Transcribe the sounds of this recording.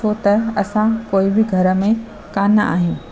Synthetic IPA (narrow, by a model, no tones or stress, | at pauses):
ot̪ɐɐsãkoːɪbɪɡʱɐɾə̆mẽ | kaːnəa̰ːɦijũː